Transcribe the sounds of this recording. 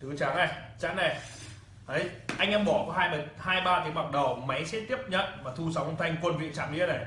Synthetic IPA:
t̪ɨ˨˦t͡ɕaː˨˦nə˨˩jt͡ɕa̰˧˥nna˨˩j | ʔə˨˦jʔa˧jŋ̟ʔɛ˧mɓɔ˧˩kɔ˨˦haː˧jmə˨˩t̚haː˧jɓaː˧t̪ʰi˨˦ma˨˩t̚ɗə˨˩wma˨˦jsɛ̰˧˥t̪i˦˥əp̚ɲə̰˧˨nmaː˨˩t̪ʰu˧sa˨˦wʔə˧wŋ͡mt̪ʰa˧jŋ̟kwə˧nvḭ˧˨ənt͡ɕa̰ː˧˨mnḭ˧˥ənə˨˩j

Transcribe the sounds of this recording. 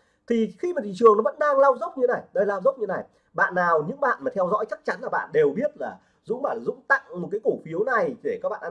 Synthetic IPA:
t̪ʰi˨˩xi˧maː˨˩t̪ʰḭ˧˨t͡ɕɨ˨˩əŋnɔ˨˦və̰˧˥nɗaː˧ŋlaː˧wzə˦˥wk͡p̚ɲɨ˧na˨˩jɗə˧laː˧wzə˦˥k͡p̚ɲɨ˧na˨˩j | ɓa̰ː˧˨nːaː˨˩wɲɨ̰˧˥ŋɓa̰ː˧˨nmaː˨˩t̪ʰɛ˧wzɔ̰˧˥jt͡ɕa˦˥k̚t͡ɕa˨˦nlaː˨˩ɓa̰ː˧˨nɗe˨˩wɓi˦˥ət̚laː˨˩ | zʊ̰˧˥ŋ͡mɓa̰ː˧˩nla˨˩zʊ̰˧˥ŋ͡mt̪a̰˧˨ŋm˨˩t̚kaː˨˦jku˧˩fi˨˦əwna˨˩jɗe˧˩kaː˨˦˥ɓa̰ː˧˨nʔ

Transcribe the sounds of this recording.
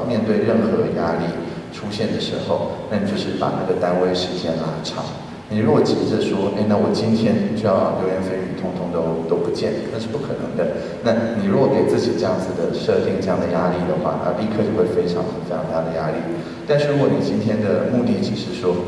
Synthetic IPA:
mjɛ˥˧nt̪we˥˧ɪɻə˥˩nxɤ˧˥˦ja˥li˥˩ | ʈ͡ʂʰu˥ɕjɛ˥˩nd̪ə˩ʂɻ̩̰˧˥xo˥˧ʊna˥˩i˨t͡ɕjo˥˧ʊʂɻ̩˥˩pa̰˨˩na˥˩ɡə˩t̪a˥nwe˥ɪʂɻ̩˧˥t͡ɕjɛ˥˩nla˧˥ʈ͡ʂʰɑ̰˨˩˦ŋ | ni˨˩ɻu˧˥ɡwɔ˨˩t͡ɕi˨˩ʈ͡ʂə˧˦ʂwɔ˥ʔe˥˩ɪna˥˩wɔ˨˩t͡ɕi˥nt̪ʰjɛ˥nt͡ɕo˥jɑ˥˧ʊɑ˥˩ŋk̪jo˥˧ʊɥɛ˥nfə˥ny˨˩t̪ʰʊ˥ŋt̪ʰʊ˧˥ŋt̪o˧˥t̪o˥ʊpu˧˥t͡ɕjɛ˥˩nkʰə˨˩nə˧˦ŋʂɻ̩˥˧˩pu˥˩kʰɤ˨˩nɤ̰˧˥˦ŋd̪ə˧ | na˥˩ni˨˩ɻu˧˥ɡwɔ˧˥ke˨˩ɪt͡sɹ̩˥˩t͡ɕi˨˩ʈ͡ʂɤ˥˧jɑ˥˩ŋd͡zɹ̩˩d̪ə˩ʂɤ˥˧t̪i˥˧ŋtʈ͡ʂɤ˥˧jɑ˥˩ŋd̪ə˩ja˥li˥˩d̪ə˩xwa̰˥˧˩na̰˥˧li˥˧kʰɤ˥˧t͡ɕjo˥˧ʊxwe˥˩ɪfe˥ɪʈ͡ʂʰɑ̰˧˥ŋxə˨˩ntjɑ˥˩t̪ʰa˥˩d̪ə˩ja˥li˥˩ | t̪a˥˧nʂɻ̩˥˩ɻu˧˥kwɔ˧˥ni˨˩t͡ɕi˥nt̪ʰjɛ˥nd̪ə˨mu˥˧t̪i˥˩t͡ɕʰi˨˩ʂɻ̩˥˩ʂwɔ˥

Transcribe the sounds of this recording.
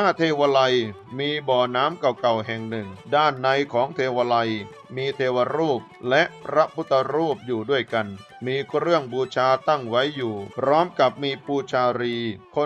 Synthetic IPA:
aː˥˩t̪ʰeː˧wa˧la˧j | miː˧bɔː˨˩naː˦˥mka˨˩wka˨˩wɦɛ˨˩ŋnɯ˨˩ŋdaː˥˩nːa˧jkʰɔː˩˦ŋt̪ʰeː˧wa˧la˧j | miː˧t̪ʰeː˧wa˧ɾuː˥˩p̚lɛ˦˥ʔpʰɾa˦˥pʰu˦˥t̪ʰːa˧ɾuː˥˩p̚juː˨˩du˥˩əjka˧n | miː˧kɾɯ˥˩əŋbuː˧t͡ɕʰaː˧t̪a˥˩ŋwa˦˥jːuː˨˩pʰɾɔː˦˥mka˨˩p̚miː˧puː˧t͡ɕʰaː˧ɾiː˧kʰo˧

